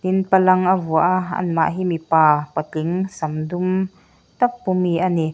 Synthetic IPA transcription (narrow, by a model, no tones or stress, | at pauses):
t̪inpɐlɐŋʔavuəʔɐ̰nma̰ʔɦiːmipaːpɐt͡ɬiŋsɐmdum | t̪ɐk̚pumiʔani